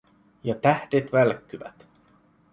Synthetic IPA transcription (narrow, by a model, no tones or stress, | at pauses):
jɑt̪æhdet̪ʋælkːyʋæ̰t̪